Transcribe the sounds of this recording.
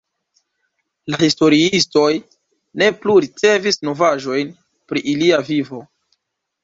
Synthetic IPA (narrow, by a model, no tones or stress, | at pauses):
lahisto̞ɾiisto̞j | ne̞pluɾit͡se̞visno̞vaʒo̞jn | pɾiʔiliavivo̞